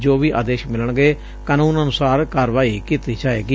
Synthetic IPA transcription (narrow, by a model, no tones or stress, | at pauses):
d͡ʒoːʋiːʔa̰ːd̪eːʃmɪləɳɡeː | kaːnũːnənʊsaːɾkaːɾʋaːiːkɪt̪iːt͡ʃaːḛːɡiː